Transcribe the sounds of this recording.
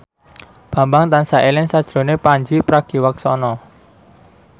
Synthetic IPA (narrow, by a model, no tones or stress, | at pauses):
b̥ä̤mbaŋt̪ansaʔelɪŋsad̥ʒ̥ɾo̤nepaɲd͡ʒipɾaɡ̥i̤waksɔnɔ